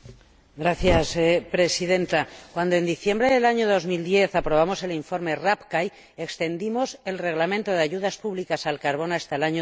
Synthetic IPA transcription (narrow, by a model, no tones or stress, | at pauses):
ɡɾaθjaspɾe̞siðe̞nt̪akwand̪o̞e̞nd̪iθje̞mbɾeðelaɲoðo̞zmild̪je̞θapɾo̞β̞amo̞se̞liɱfo̞ɾme̞rapkaj | e̞kst̪e̞nd̪imo̞se̞lre̞ɣlamẽ̞nt̪o̞ð̞eaʝuðaspuβlikasalkaɾβ̞o̞nast̪aelaɲo